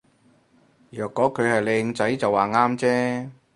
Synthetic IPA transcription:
jœː˨kːɔː˨˥kʰɵ˨˧ɥhɐ˨jle˨˧ŋt͡sɐ˨˥jt͡sɐ˨waː˨˩ŋaː˥mt͡sɛː˥

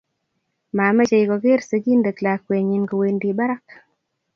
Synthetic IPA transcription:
ma˨mɛ˦t͡ʃe˨i˨ɡɔ˨ɡɪ˦ɾse˨ɡi˦nde˨kla˨kwe˨ɲi˨nɡɔ˨we˨ndi˨ba˦ɾa˦k

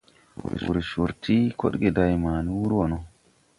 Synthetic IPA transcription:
wʊ̰˨ɾʃʊɾt̪ʰi˦kʰɔ̰˦ɗɡɛ˨d̪ɐjmaː˨n˦wu˦ɾwɔ˨nɔ˦

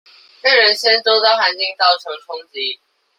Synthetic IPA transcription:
ke˥˩ɻə˨˦nɕjɛ˥nt̪o˥ʊt̪ɑ˥˩ʊxa˨˦nt͡ɕi˥˧ŋt̪ɑ˥˩ʊʈ͡ʂʰɤ˨˥ŋʈ͡ʂʰʊ˥ŋt͡ɕi˦

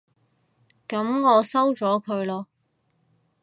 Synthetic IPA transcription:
kɐ˨˥mŋɔː˨˧sɐ˥wt͡ʃɔː˨˥kʰɵ˨˧ɥlɔː˧

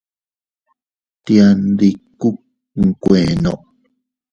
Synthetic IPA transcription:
t̪ja˧nd̪i˧ku˦ | ŋ̩˨kʷẽ˨nõ̰˨ʔ

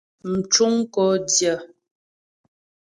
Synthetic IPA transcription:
m̩˨t͡ʃu˦ŋkɔ˨˦djə˨˦

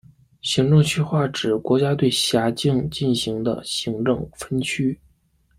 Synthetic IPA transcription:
ɕi˧˥ŋʈ͡ʂɤ˥˧ŋt͡ɕʰy˥xwa˥˩ʈ͡ʂɻ̩˨˩kwɔ˧˥t͡ɕja˥t̪we˥˩ɪɕja˧˥t͡ɕi˥˧ŋt͡ɕi˥˩nɕi˧˥ŋd̪ə̰˧ɕi˧˥ŋʈ͡ʂɤ˥˩ŋfə˥nt͡ɕʰy˥

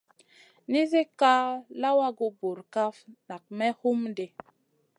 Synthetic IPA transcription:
ni˦ze˦ka˦la˦wa˦ɡo˨bo˨ɾka˦fna˨k̚mɛ˦hu˦mde˨

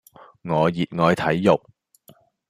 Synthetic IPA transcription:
ŋɔː˨˧jiː˨t̚ŋɔː˨˧jt̪ʰɐ˨˥jːʊ˨k̚

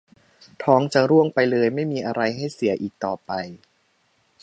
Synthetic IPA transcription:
t̪ʰɔː˨˦˥ŋt͡ɕa˨˩ɾu˥˩əŋpa˧jlɤː˧jma˥˩jmiː˧ʔa˧ɾa˧jɦa˥˩jsi˨˩˦ɐʔiː˨˩k̚t̪ɔː˨˩pa˧j

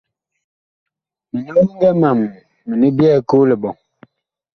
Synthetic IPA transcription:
mi˨ni˦ŋ˦ɡɛ˦ma˨mː | i˨ni˦bjɛ˦˨ko˦le˨bɔ˨ŋ

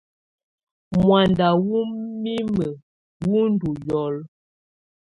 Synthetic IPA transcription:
mwa˨nda˨wu˦mi˦mə˨ | wu˦n˦du˨jɔ˨l

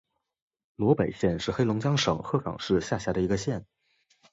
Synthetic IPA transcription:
lwɔ˧˥pe˨˩ɪɕjɛ˥˧nʂɻ̩˥˩xe˥ɪlʊ˧˥ŋt͡ɕjɑ˥ŋʂɤ̰˨˩˦ŋxɤ˥˩fɑ̰˨˩ŋʂɻ̩˥˧ɕja˥˩ɕja˧˥d̪ə˩i˧˥ɡə˧ɕjɛ˥˩n

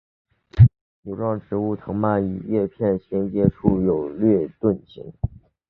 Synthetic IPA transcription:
jo˨˩ʊʈ͡ʂwɑ˥˩ŋʈ͡ʂʰɻ̩˧˥u˥˩t̪ʰɤ˧˥ŋma˥˩ny̰˨˩ɥɛ˥˧pʰjɛ˥˩nɕjɛ˧˥nt͡ɕjɛ˧˥ʈ͡ʂʰu˥˩jo˨˩ʊlɥɛ˥˧t̪wə˥˩nt͡ɕḭ˧˥ŋ

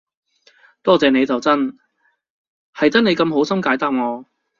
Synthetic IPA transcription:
t̪ɔː˥t͡sɛː˨ne˨˧jt͡sɐ˨wt͡sɐ˥n | hɐ˨jt̪ɐ˥ne˨˧jkɐ˧mɦo˨˥wsɐ˥mkaː˨˥jt̪aː˨˩p̚ŋɔː˨˧

